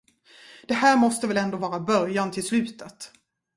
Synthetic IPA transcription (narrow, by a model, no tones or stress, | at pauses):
d̪̥ɛhæːɾmɔst̪əvɛlɛnd̪oːvɑːɾabœɾjant̪ʰɪlslʉ̟ːt̪ət̪